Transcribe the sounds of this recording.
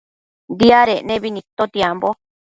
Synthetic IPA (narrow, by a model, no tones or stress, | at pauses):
d̪iaɾenẽβinĩt̪ot̪jambo